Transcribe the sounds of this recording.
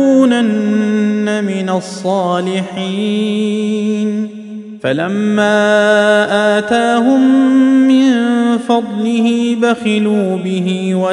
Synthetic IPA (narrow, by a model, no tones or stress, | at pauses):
uːnanː | amɪnasˤːɑːlɪħiː | n | falamːaːʔaːt̪aːɦʊmːɪnfɑd̪ˤlɪhiːbaxaluːbɪɦiːwa